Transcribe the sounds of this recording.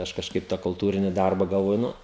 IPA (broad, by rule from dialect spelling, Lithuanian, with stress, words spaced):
ˈɐʃ kɐʃˈkɐɪp tɑː kʊlˠˈtuːrʲɪnʲɪ ˈdɐrbɐ ɡɐlˠˈʋoːjʊ ˈnʊ